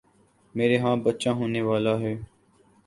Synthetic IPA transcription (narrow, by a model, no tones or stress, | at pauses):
meːɾeːɦãːbət̪ːt͡ʃãːɦoːneːʋaːlaːɦɛː